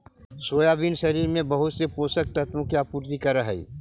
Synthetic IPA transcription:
soːjaːʋinʃɐɾiːɾmẽbɐɦʊt̪sepoːsək̚t̪ɐt̪mõkiaːpuːɾt̪ikɐɾəɦɛ̰ḭ

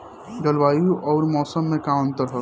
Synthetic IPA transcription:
d͡ʒəlbaːjuʔɔʊɾmɔːsəmːẽkamə̃nt̪əɾɦɔ

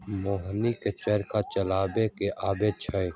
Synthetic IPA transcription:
moːɦniket͡ʃeːɾkat͡ʃəlaːbeːkeʔaːbeːt͡ʃʰəj

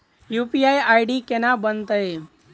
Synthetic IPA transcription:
jupiajajɖikenabənt̪əe

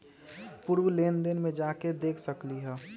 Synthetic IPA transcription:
pʊɾwleːnd̪ɪnmẽd͡ʒaːked̪eːkʰsəkliɦɛː

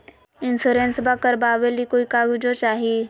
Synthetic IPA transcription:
insuɾensbakəɾbaːʋelikoikaɡud͡zot͡ʃaɦi

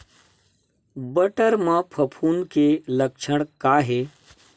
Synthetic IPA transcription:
bəʈəɾmãpʰɐpʰuːnkelɐkʃʰəɽ̃kaːɦeː

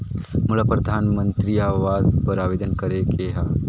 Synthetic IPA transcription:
mʊlapɾɐd̪ʱaːnmə̃nt̪ɾiaːʋaːzpɐɾaːʋeːd̪ənkɐɾekeɦa

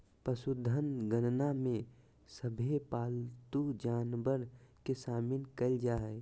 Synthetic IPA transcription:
pəsʊd̪ʱːənɡənnamẽ | səbʱepaːlt̪ud͡ʒaːnbəɾkesaːmɪnkəld͡ʒaːɦɛː

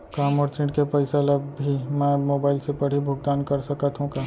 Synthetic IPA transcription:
kaːmɔːɾt̪ʰɾɪ̃ʈkepɛɪseləbʱimɛ̃moːbaːɪlsepɐɽ̤ibʱʊɡd̪aːnkɐɾsɐkat̪ɦũkaː

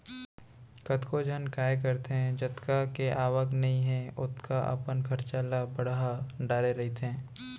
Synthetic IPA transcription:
kɐt̪kod͡ʒʱənkaːjk̬ɐɾt̪eɦɛ̃d͡ʒɐt̪kakeʔaːʋəknɐɦĩɦɛ̃ʊt̪kaʔɐ̰pənkʰɐɾt͡ʃalabɐɽɦaɖaːɾeɾɐɦit̪ʰɛ̃ː

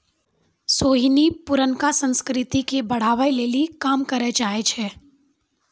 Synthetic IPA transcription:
soːɦinipʊɾənkasə̃nskɾɪt̪ikebɐɽ̤aːʋəjleːlikaːmkɐɾed͡ʒaːet͡ʃʰɛː

